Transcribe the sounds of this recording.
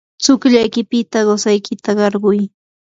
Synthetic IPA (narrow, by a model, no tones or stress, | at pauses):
t͡sʊkʎajkɪpɪt̪aɢosajkʰɪt̪aɢɑɾɢʊj